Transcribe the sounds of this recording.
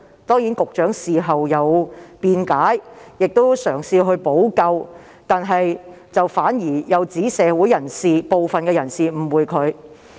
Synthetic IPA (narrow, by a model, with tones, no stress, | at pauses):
t̪ɔː˥ŋjiː˨˥nkʊ˨k̚t͡ʃœː˨˥ŋsiː˨˩ɦɐ˨wjɐ˨˧wpiː˧nkaː˨˥jjɪ˨k̚t̪o˥wsœː˨˩ŋsiː˧ɦɵ˧ɥpo˨˥wkɐ˧w | t̪aː˨nɦɐ˨j | t͡sɐ˨wfaː˨˥njiː˨˩jɐ˨˧wt͡siː˨˥sɛː˨˧wuː˨˥jɐ˨˩nsiː˨˩po˨˧wfɐ˨nkɛː˧jɐ˨˩nsiː˨m̩˨˩wuː˨˧jkʰɵ˨˧ɥ